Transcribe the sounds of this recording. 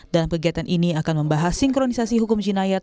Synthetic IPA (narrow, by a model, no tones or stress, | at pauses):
d̥alamkəɡiat̪anʔiniakanməmbaɦasiŋkɾonisasiɦukʊmd͡ʒinajat̪̚